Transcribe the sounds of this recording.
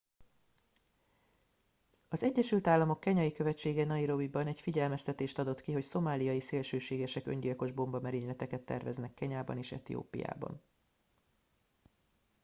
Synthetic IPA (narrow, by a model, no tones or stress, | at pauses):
ɒzɛɟːɛʃylt̪aːlːɒmo̞kːɛɲɒjikø̞vɛt͡ʃːeːɡɛnɒiɾo̞bibɒnɛcfiɟɛlmɛst̪ɛt̪eːʃt̪ɒd̪o̞t̪kiɦo̞cso̞maːlijɒjiseːlʃøːʃeːɡɛʃɛkø̞̰ɲɟilko̞ʒbo̞mbɒmɛɾeːɲlɛt̪ɛkɛt̪ːɛ̰rvɛznɛkːɛɲaːbɒ̰neːʃɛ̰t̪ḭjo̰ːpḭja̰ːbɒ̰n